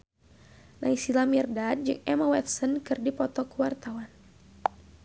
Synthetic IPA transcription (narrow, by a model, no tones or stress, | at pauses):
nʔaisilamirdad̚d͡ʒɨŋɛmawɛt̪̚sɔnkɨrdipɔt̪ɔkuwart̪awan